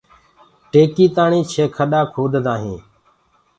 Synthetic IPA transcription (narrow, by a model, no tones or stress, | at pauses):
ʈeːkiːt̪aːɳĩːt͡ʃʰeːkʰəɗaːkʰoːd̪ʱd̪ãːɦĩː